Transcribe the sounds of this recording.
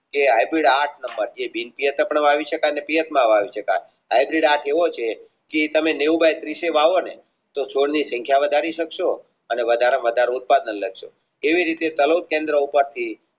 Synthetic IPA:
keɦajbɾiɽaʈʰnəmbəɾd͡ʒebinpijət̪əpəɳʋaʋiʃəkajnepijət̪mãʋaʋiʃəka̰j | ɦajbɾiɖaʈʰeʋot͡ʃʰe | ket̪əmeneubʱajt̪ɾiʃeʋaʋone | t̪ot͡ʃʰoɽnisə̃ŋkʰjaʋəd̪ʱaɾiʃəkʃo | əneʋəd̪ʱaɾəmʋəd̪ʱaɾout̪̚pad̪ələɡʃo | eʋiɾit̪et̪əlowt̪̚kẽnd̪ɾəupəɾt̪ʰi

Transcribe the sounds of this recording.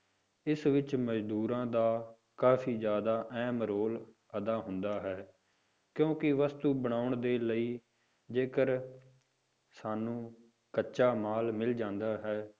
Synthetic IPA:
ɪsʋɪt͡ʃməd͡ʒd̪uːɾãːd̪aː | kaːfʰiːd͡ʒjaːd̪aːʔɛːmɾoːl | əd̪aːɦʊ̃nd̪aːɦɛː | kjõːkɪʋəst̪uːbəɽ̃aːʊɳd̪eːləiː | d͡ʒeːkəɾ | saːnũː | kəːʃaːmaːlmɪld͡ʒãːnd̪aːɦɛː

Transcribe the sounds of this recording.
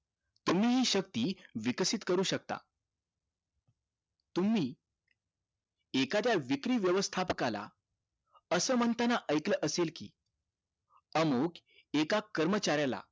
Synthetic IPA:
t̪um̤iːɦiːɕək̚t̪iːʋiksit̪kəɾuːɕək̚t̪a̰ | t̪um̤iː | ekat̪jaʋikɾiːʋjəʋəst̪ʰapəkala̰ | əsəːm̤ənt̪anaʔəjkləʔəselkḭː | əmok | ekakəɾmət͡ɕaɾjala̰

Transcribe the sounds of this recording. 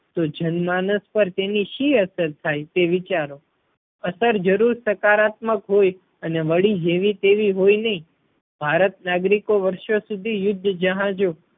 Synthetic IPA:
t̪od͡ʒənmanəspəɾt̪eniʃiəsəɾt̪ʰajt̪eʋit͡ʃaɾo | əsəɾd͡ʒəɾuɾsəkaɾat̪məkɦoj | əneʋəɭid͡ʒeʋit̪eʋiɦojnəɦĩ | bʱaɾət̪naɡɾikoʋəɾʃosud̪ʱijʊd̪ʱːəd͡ʒəɦãd͡ʒo

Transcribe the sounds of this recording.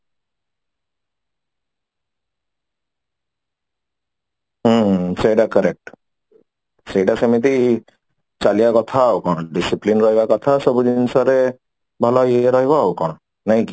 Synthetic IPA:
ɦəseiɖakəɾek̚ʈ | seɖasemit̪i | t͡ʃalijakɔt̪ʰaokɔɽ̃ɖisiplinɾɔɦibakɔt̪ʰasɔbud̪insɔɾe | bʱɔlaiɾɔɦibaokɔɽ̃ | naĩki

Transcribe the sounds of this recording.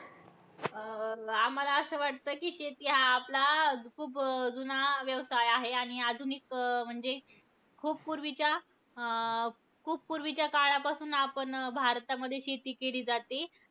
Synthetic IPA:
amːəlaəsəːʋaʈ̚t̪əːkiːɕet̪jaːplakʰuːpd͡zunaʋjəʋsajaɦeaɽ̃iad̪ʱunikm̤əɳd͡ze | kʰuːp̚puɾʋit͡ɕja | kʰuːp̚puɾʋit͡ɕjakaɭapasuːnapəɳbʱaɾt̪aməd̪ʱːjeɕet̪iːkeliːd͡zat̪e

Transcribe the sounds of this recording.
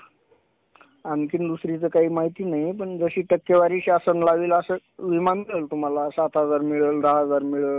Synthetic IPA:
ankind̪usɾit͡səkaɦiːmaɦit̪iːnaɦipəɳd͡zəɕiːʈəkːeʋaɾiːɕasənlaʋiːləsəʋimanmiɭəlt̪um̤alasat̪ʰad͡zaɾmiɭəld̪aɦad͡zaɾmiɭəl

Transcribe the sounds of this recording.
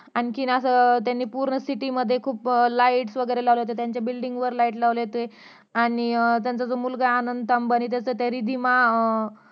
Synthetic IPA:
aɽ̃ikinəsət̪janːiːpuɾɳəsiʈiməd̪ʱːjekʰuːplaiʈsʋəɡəjɾelaʋləjot̪et̪jaɲt͡ɕjabilɖiŋɡʋəɾlaiʈlaʋləɦot̪e | aɽ̃it̪jant͡sad͡zomulɡaanənd̪t̪ambəanit̪̬jat͡sət̪aɾid̪ʱima

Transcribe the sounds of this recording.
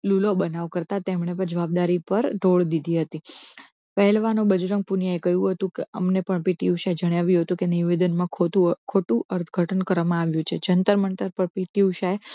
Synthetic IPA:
lulobənaʋkəɾt̪at̪emɳepəɾd͡ʒəʋab̚d̪aɾipəɾɖʱoɭd̪id̪ʱiɦət̪i | pəɦɛlʋanõbəd͡ʒɾəŋɡ̚punijaekəɦjũɦət̪ũkeəmnepəɳpiʈiuʃaed͡ʒəɳjaʋjũɦət̪ũkeniʋed̪ənmãkʰot̪ukʰoʈũʔəɾt̪ʰɡʱəʈənkəɾʋamãaʋjũt͡ʃʰed͡ʒənt̪əɾməɳʈ̪əɾpəɾpiʈiuʃaj

